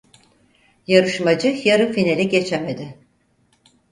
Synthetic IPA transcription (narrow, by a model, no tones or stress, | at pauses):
jaɾɯʃmad͡ʒɯjaɾɯfinelʲiɟe̞t͡ʃʰemed̪ɪ